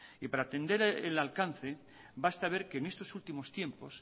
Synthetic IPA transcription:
ipaɾaːt̪e̞nd̪e̞ɾelalkan̟θe̞ | bast̪aβe̞ɾkeːnest̪o̞sult̪imo̞st̪je̞mpo̞s

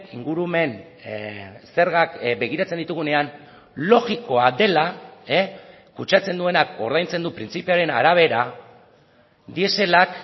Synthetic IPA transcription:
iŋɡuɾume̞n | se̞ɾɣakbe̞ɣ̞iɾat͡se̞nd̪it̪uɣune̞an | lo̞ɣiko̞ade̞lae | kut͡ʃat͡se̞nd̪ue̞nako̞̰ɾð̞ajnt͡se̞nd̪upɾint͡sipeaɾe̞na̰ɾaβ̞e̞ɾa | d̪ie̞se̞lak

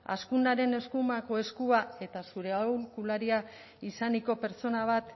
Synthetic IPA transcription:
a̰skunaɾe̞ne̞skumako̞e̞skuae̞t̪asuɾe̞awlkulaɾia | isaniko̞pe̞ɾt͡so̞naβ̞at̪

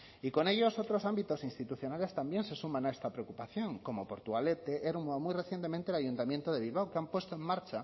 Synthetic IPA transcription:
iko̞neʎosot̪ɾosambit̪osinst̪it̪uθjo̞nale̞st̪ambje̞nsesumãnaest̪apɾeokupaθjõŋko̞mopo̞ɾt̪uɣalet̪eʔeɾmuamujreθje̞nt̪emẽnt̪eːlaʝunt̪amjent̪oðeβilβ̞awkeampwest̪oeŋmaɾt͡ʃa

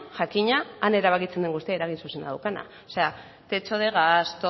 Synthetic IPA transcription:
ʝakiɲaːne̞ɾaβ̞akit͡send̪e̞ŋɡust̪iaeɾaɣinsusenaðawkana̰ | ose̞a | t̪e̞t͡ʃo̞ð̞e̞ɣast̪o

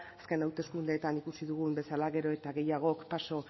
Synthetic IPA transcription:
aske̞nawt̪e̞skund̪e̞ːt̪anikusiðuɣ̞umbe̞salaɣe̞ɾo̞e̞t̪aɣe̞jaɣ̞o̞kpaso̞

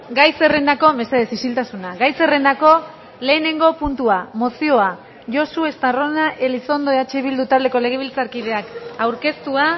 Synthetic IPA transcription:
ɡajse̞re̞nd̪ako̞me̞seðesisilt̪asunaɡajse̞re̞nd̪ako̞ | le̞ːne̞ŋɡo̞punt̪uamo̞sio̞a | ʝo̞sue̞st̪aro̞naʔeliso̞nd̪o̞eat͡ʃe̞βild̪ut̪ald̪e̞ko̞le̞ɣ̞e̞β̞ilt͡saɾkið̞e̞akawɾke̞st̪ua

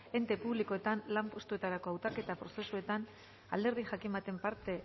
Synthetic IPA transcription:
e̞nt̪e̞puβliko̞e̞t̪anlampo̞st̪ue̞t̪aɾako̞awt̪ake̞t̪apɾo̞se̞sue̞t̪an | a̰ld̪eɾðixakimbat̪e̞mpaɾt̪e̞

